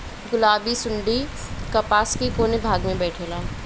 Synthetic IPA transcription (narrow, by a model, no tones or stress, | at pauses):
ɡʊlaːbisʊɳɖikɐpaːskikoːnebʱaːɡmẽbɛːʈʰeːlaː